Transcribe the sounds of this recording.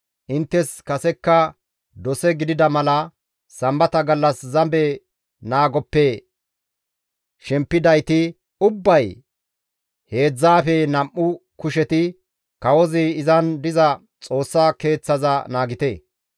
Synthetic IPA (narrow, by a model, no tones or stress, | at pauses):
ʔɪnt̪ːɛskɐsɛkːɐ | d̪ɔsɛɡɪd̪ɪd̪ɐmɐlɐ | sɐmbɐt̪ɐɡɐlːɐszɐmbɛ | naːɡɔpːɛ | ʃɛmpːɪd̪ɐjt̪ɪ | ʊbːɐj | he̞ːd͡zːaːfɛnɐmʔːʊkʊʃɛt̪ɪ | kɐwɔzɪɪzɐnd̪ɪzɐ | t͡sʼo̞ːsːaːke̞ːt͡sːɐzɐnaːɡɪt̪ḛː